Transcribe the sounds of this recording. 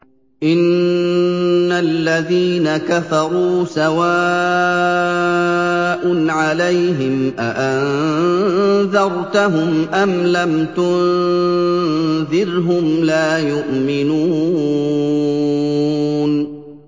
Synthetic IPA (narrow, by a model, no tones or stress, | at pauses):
ʔɪn | alːaðiːnakafɑɾˤuːsawaː | ʔʊnʕalajɦɪmʔaʔan | ðɑɾˤt̪aɦʊmʔamlamt̪ʊn | ðɪɾɦʊmlaːjʊʔmɪnuː | n